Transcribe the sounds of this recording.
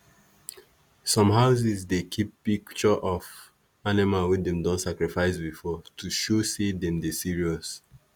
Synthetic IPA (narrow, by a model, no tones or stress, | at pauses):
sɔ̃mɦaʊs̬izdekʰipːikt͡ʃɔʔɔf | animawidɛ̃mdɔ̃nsakɹifaɪsbifɔtʰuʃosedɛ̃mdesiɹiɔs